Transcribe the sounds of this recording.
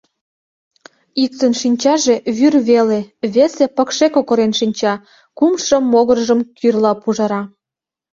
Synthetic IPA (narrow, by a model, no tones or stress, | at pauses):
ik̚t̪ənʃinʲt͡ɕɑʒeβyrβeleβesepɤ̆kʃekokŏɾenʃinʲt͡ɕɑ | kumʃə̆mːoɣərʒə̆mkʰyrlɑpuʒɑɾɑ